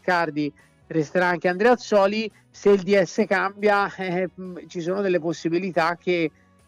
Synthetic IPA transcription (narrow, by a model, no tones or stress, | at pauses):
kard̪i | rɛst̪eɾaaŋk̟eand̪ɾɛat̪sɔːli | seild̪iɛsːekambjaɛt͡ʃisoːnod̪elːeposːibilit̪ak̟ːe